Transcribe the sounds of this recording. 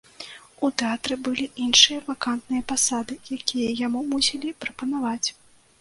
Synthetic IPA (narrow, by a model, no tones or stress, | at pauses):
ut̪ɛat̪ɾɨbɨlʲiʔinʂɨjɐvakant̪nɨjɐpasad̪ɨjakʲijɐjamumusʲilʲipɾɐpɐnavat͡sʲ